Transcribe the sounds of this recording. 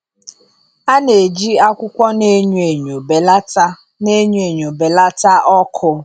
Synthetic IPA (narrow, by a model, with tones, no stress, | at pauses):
a˦ne˨d͡ʒi˦a˦kʷʊ˦kʷɔ˦ne˦ɲ˦e˨ɲo˨be˨la˦t | ne˦ɲ˦e˨ɲo˨be˨la˦ta˦ʔɔ˦kʰʊ˨